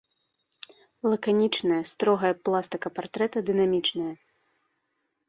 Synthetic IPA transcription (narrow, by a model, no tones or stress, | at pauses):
lˠɐkanʲit͡ʂnɐjɐst̪ɾɔɣɐjɐplˠast̪ɨkɐpart̪ɾɛt̪ɐd̪ɨnamʲit͡ʂnɐjɐ